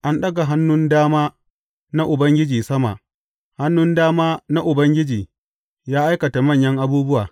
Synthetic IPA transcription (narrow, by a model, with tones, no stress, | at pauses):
ʔa˦nɗɐ˦ɡa˨ɦa˦nːʊ˦ndaː˦maː˦ | na˦ʔʊ˨bɐ˦ŋɡʲɪ˦d͡ʒiː˨sɐ˦ma̰˨ʔ | ha˦nːʊ˦ndaː˦maː˦na˦ʔʊ˨bɐ˦ŋɡʲɪ˦d͡ʒiː˨ | jaː˦ʔa˦jkɐ˨ta˨mɐ˦˨ɲjɐ˦ŋʔa˦buː˦bʊ˦waː˨